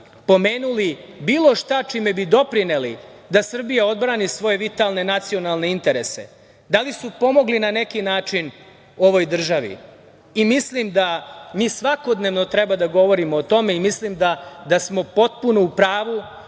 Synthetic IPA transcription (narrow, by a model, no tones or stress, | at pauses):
po̞meːnulibiːlˠo̞ʃt̪at͡ʃime̞bid̪o̞pɾinelḭd̪asr̩bijao̞d̪bɾaːnisʋo̞je̞ʋit̪alˠne̞nat̪sio̞nalˠne̞int̪e̞ɾe̞se̞̰ | d̪alisupo̞mo̞ɡlinane̞kinaːt͡ʂin | o̞ʋo̞jd̪r̩ʒaʋḭ | imislimd̪amiːsʋako̞d̪ne̞ʋno̞t̪ɾɛbad̪aɡo̞ʋo̞ɾimoːt̪o̞me̞imislimd̪ad̪asmo̞po̞t̪̚puno̞upɾaːʋu